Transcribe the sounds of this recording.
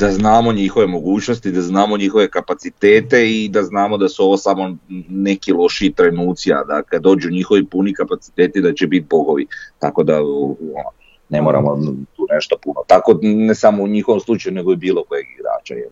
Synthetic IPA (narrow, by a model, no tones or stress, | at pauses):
d̪̥aznaːmo̞ɲixo̞ʋe̞mo̞ɡuːt͡ʃnost̪id̪aznaːmo̞ɲixo̞ʋe̞kapat̪sit̪e̞ːt̪e̞id̪aznaːmo̞d̪asuo̞ʋo̞samo̞ne̞kilo̞ʃiːt̪ɾajnuːt̪sia̰d̪akad̪dːo̞ːd͡ʑuɲixo̞ʋipunikapat̪si̥t̪e̞ːt̪id̪at͡ɕebit̪̚bo̞ɡo̞ʋit̪a̰ko̞d̪aono | ne̞mo̞ɾa̰mot̪uːne̞ʃt̪opunot̪ako̞nesamouɲixoʋomslˠut͡ʃajune̞ɡo̞ibiːlˠo̞kojeɡiɡɾa̰ːt͡ʃa̰jel